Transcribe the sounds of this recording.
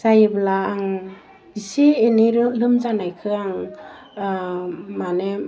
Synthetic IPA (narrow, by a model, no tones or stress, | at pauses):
sajɯblaːŋ | isieniɾlɯmzanajkʰɯaŋ | mane